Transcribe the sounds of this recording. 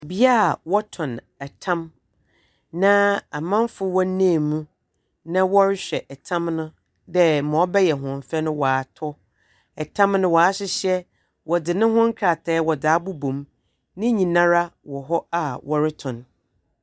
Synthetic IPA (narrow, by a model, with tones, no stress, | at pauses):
bi˦a˦˨wɔ˦tʰɔ̃˨n | ɛ˨tʰã˦m | nã˦a˨mã˦mfʊ˦wɔ˦nãː˦˨mũ˦ | nã˦wɔ˦ɾɪ˦ɕᶣɛ˨ʔɛ˨tʰã˦mnʊ̃˦ | dɛ˦mɔ̃˨ɔ˦bɛ˦jɛ˨ɦʊ̃˨m˨fɛ˦nʊ̃˦wa˨tʰɔ˦ | ɛ˨tʰã˦mnʊ̃˦wɔ˨a˦ɕɪ˦ɕɛ˦ | wɔ˨dɪ˨nʊ̃˦ɦʊ̃˦ŋ̩˦kʰa˨tʰɛː˨˦wɔ˨daː˨˦bu˦bõ˨m | nɪ̃˦ɲĩ˨nã˦ɾa˦wɔ˨ɦɔ˦a˨wɔ˦ɾɪ˦tʰɔ̃˨n